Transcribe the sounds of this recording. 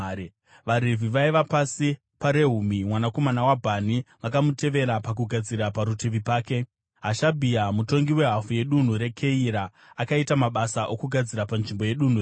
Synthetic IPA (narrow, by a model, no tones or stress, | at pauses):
ʋaɾeviʋaiʋapasi | paɾe̞ɦumimwanako̞manawabʱaniʋakamute̞ʋe̞ɾapak̬uɡʱad͡ziɾapaɾutʰeʋipaːke̞ | ɦaʃabʱijamuto̞ŋɡiwe̞ɦafuje̞ɗun̤uɾe̞kʰe̞iɾaː | kaitamaɓasaʔo̞kuɡʱad͡ziɾapanʐimbo̞je̞ɗun̤ur